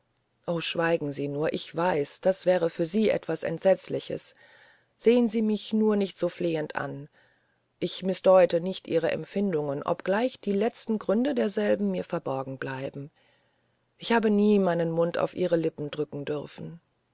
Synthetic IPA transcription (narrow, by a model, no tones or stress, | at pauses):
ʔoːʃv̥aɪɡŋ̩ziːnuːɐʔɪçv̥aɪsd̥asv̥ɛːʁ̞əfyːɐziːʔɛ̰tv̥asɛ̰ntz̥ɛt͡slɪçə̰s | z̥eːənziːmɪçnuːɐnɪçtz̥oːfleːəntʔa̰n | ʔɪçmɪsd̥ɔʏtənɪçtʔiːʁ̞əʔɛ̰mfɪndʊŋənʔɔ̰pɡ̥laɪçd̥iːlɛt͡stn̩ɡʁʏndədeːɐzɛlbm̩miːɐfɛɐbɔɐɡŋ̩blaɪbm̩ | ʔɪçhaːbəniːmaɪnənmʊnta̰ʊfʔiːʁ̞əlɪpm̩dʁʏkŋ̩dʏʁfn̩